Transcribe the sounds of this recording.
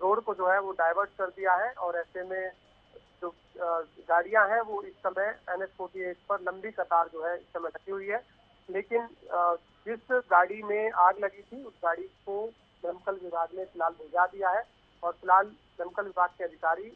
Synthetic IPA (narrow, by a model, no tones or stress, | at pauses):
ɾoːɽkod͡ʒoːɦɛʋoɖaːɪʋəɾɖkɐɾd̪ijaɦɛʔɔːɾɛːsemẽ | d͡ʒoː | ɡaːɽijãɦɛ̃ʋoɪsːɐməjɛnɛskoːʈieːkpɐɾlɐ̃mbikɐt̪aːɾd͡ʒoːɦɛɪsːɐmɛʈɐkʰiɦʊiɦɛː | leːkɪn | d͡ʒɪsɡaːɽimẽaːɡlɐɡit̪ʰiʊsɡaːɽiko | mɐmkəlʋɪbʱaːɡmẽkɪlaːlbʱod͡ʒad̪ijaɦɛ | ɔːɾkɪlaːl | mɛmkəlʋɪbʱaːɡ̚keɐd̪ʱɪkaːɾi